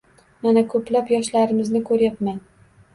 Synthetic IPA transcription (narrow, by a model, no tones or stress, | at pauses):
manakʰɵplapjɒʃlaɾɪmɪznɪkʰɵɾjapman